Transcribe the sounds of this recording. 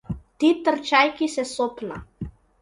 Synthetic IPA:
t̪it̪əɾt͡ʃajkisɛsopna̰

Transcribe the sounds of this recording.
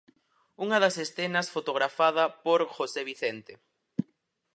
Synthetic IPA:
uŋɐðɐsesθenɐsfot̪oɣ̞ɾafað̞ɐpoɾxoseβ̞iθent̪e

